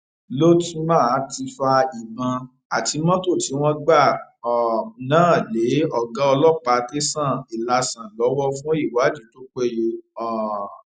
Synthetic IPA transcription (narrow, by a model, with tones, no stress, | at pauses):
lo˦tũ˦mã˦˨˦ti˧fa˧i˨bã˧ | a˨ti˧˦mɔ̃˦to˦˨ti˨˦w̃ɔ̃˦ɡ͡ba˦˨ | ɔ˨nãː˦˨le˨˦ɔ˦˨ɡã˨˦ɔ˧lɔ˦˨k͡pa˧te˦sã˦˨i˨la˨˧sã˨lɔ˨˦wɔ˦fũ˦i˦˨wa˨˦˨d͡ʒi˨˦to˦k͡pe˦˨je˧ɔ˨